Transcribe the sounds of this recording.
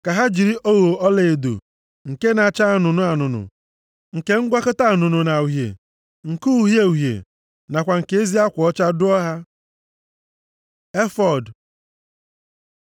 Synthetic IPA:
ka˨ɦa˦d͡ʒi˨ɾi˦ʔo˦wo˨ɔ˦le˨e˨dṵ˨ | ŋ̩˨ke˦na˨t͡ʃa˦a˦˨nʊ˨nʊ˦a˨nʊ˨nʊ̰˨ | ŋ̩˨ke˦ŋ̩˦ɡʷa˦kʊ˦ta˦˨nʊ˨nʊ˨na˨u˨ɦjḛ˨ | ŋ̩˨ku˦ɦje˦u˨ɦjḛ˨ | na˨kʷa˨ŋ̩˨ke˨˦e˦zi˦a˦kʷɔ˨ɔ˦t͡ʃa˦dʊ˦ɔ˦ɦa˦ | e˦fɔ˨d

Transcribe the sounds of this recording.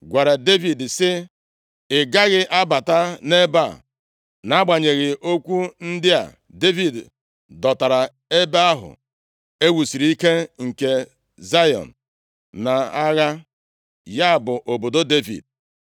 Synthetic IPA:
ɡʷa˨ɾa˨de˦vi˨dsɪ˦ | ɪ˨ɡa˦ɣɪ˦ʔa˦ba˨ta˦ne˦ba̰˦˨ | na˨˦ɡ͡ba˨ɲe˨ɣɪ˨ʔo˦kʷu˦n̩˦dɪ˦a̰˨ | de˦vi˨d | dɔ˨ta˨ɾa˨ | e˦be˦a˦ɦʊ̰˨ | e˦wu˨si˨ɾi˦ke˦ŋ̩˨ke˨ | za˦jɔ̰˨n̩˨ | na˨a˦ɣa˦ | ja˦˨bʊ˨ʔo˨bo˨do˦de˦vḭ˨d̚

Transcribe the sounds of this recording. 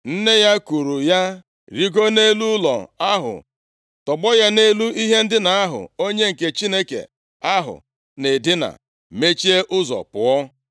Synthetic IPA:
n̩˦ne˦ja˦ku˨ɾu˨ja˦ | ɾi˦ɡo˦ne˦lu˦lɔ̰˨a˦ɦʊ̰˨ | tɔ˨ɡ͡bɔ˦ja˦ne˦lu˦i˦ɦe˦n̩˦dɪ˦na˨a˦ɦʊ̰˨o˦ɲe˦ŋ̩˨ke˨t͡ʃi˦ne˦kḛ˨ | a˦ɦʊ̰˨ | ne˨dɪ˦na̰˨ | me˦t͡ʃi˦e˦ʔʊ˦zɔ̰˨pʊ˨ɔ˦

